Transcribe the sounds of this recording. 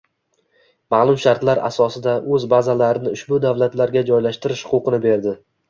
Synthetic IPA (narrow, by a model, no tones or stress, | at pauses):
maːlˠʊmʃaɾt̪laɾa̰sɒsɪd̪aʔɵzbazalaɾɪnɪʊʃbʊd̪avlat̪laɾɡʲad͡ʒɒjlaʃt̪ɪɾɪʃhʊqʊqʰɨnɪbe̞ɾd̪ɪ